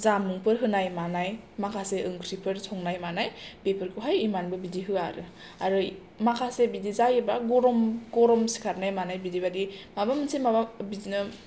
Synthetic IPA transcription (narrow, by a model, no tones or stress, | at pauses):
zamɯŋpʰɯɾɦɯnajmanajmakʰaseʔɯŋkʰɾipʰɯɾsʰɔŋnajmanajpepʰɯɾkʰɯɦajimanbɯbidiɦɯa̰ɾɯ | aɾɯ | makʰasebidizajebaɡɔɾɔmɡɔɾɔmsi̥kʰaɾnajmanajbidibadimabamɯnsʰemababidinɯ